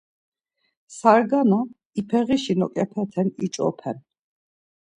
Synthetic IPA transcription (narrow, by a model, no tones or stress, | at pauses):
saɾɡanɔ | ipʰɛʁiʃinɔkʼɛpʰɛt̪ʰɛnit͡ʃʼɔ̰pʰɛn